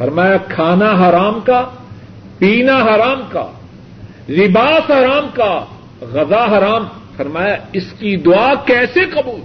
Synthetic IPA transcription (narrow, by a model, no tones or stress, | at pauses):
fɐɾmaːjakʰaːnaɦɐɾaːmka | piːnaɦɐɾaːmka̰ | lɪbaːsɦɐɾaːmka | ɣɐzaɦɐɾaːmfɐɾmaːjaɪskid̪ʊaːkɛːseqɐbuːl